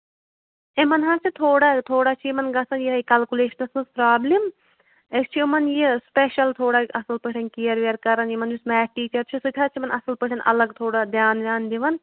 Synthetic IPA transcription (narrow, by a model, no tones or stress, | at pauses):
emɐnɦat͡ʃʰit̪ʰoːɽaːt̪ʰoːɽaːt͡ʃʰijimɐnɡɐsɐnjiɦɐikɐlkuleːʃɐnɐsnɐspɾaːblim | est͡ʃʰiimɐnjispeʃɐlt̪ʰoːɽaːɐsɐlpɨʈʰʲɐnkijɐɾʋeɐɾkɐɾɐnjimɐnjusmɛːʈiːt͡ʃɐɾt͡ʃʰisut̪ʰaːt͡ʃʰimɐnɐsɐlpɨʈʰʲɐnʔɐ̰lɐɡt̪ʰoːɽad̪jaːnɾʲaːnd̪iʋɐn